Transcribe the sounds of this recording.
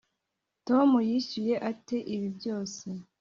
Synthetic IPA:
to̞mujiɕuje̞ʔate̞ʔiβibɟo̞ːse̞

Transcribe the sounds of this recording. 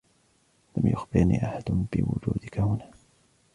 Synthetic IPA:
lamjʊxbɪɾnḭːʔaħad̪ʊbɪ̰wʊ̰d͡ʒuːd̪ɪkahʊnaː

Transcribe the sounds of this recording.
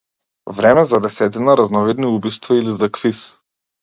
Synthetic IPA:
vɾɛmɛzad̪ɛsɛt̪inaɾaznɔvid̪niubist̪vailizakfis

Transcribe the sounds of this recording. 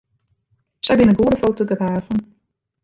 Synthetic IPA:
sɛjbɪnəɡuədəfowtoɡəʋaːvən

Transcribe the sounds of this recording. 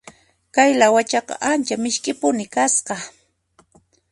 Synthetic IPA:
kajlawat͡ʃɑqɑ̰ʔant͡ʃamɪʃkʼɪpʊnɪkasqɑ

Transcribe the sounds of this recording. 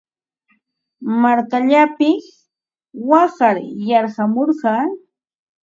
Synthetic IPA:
maɾkaʎapɪs | wɑɢɑɾjɑɾɢɑmoɾɢɑː

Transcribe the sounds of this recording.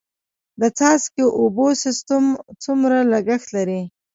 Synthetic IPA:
d̪ət͡sɑskeʔobosɪst̪amt͡sumɾalaɡəxt̪laɾi

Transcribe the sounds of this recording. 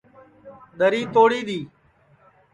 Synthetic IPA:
ɗəɾiːt̪oːɽiːɗ̪iː

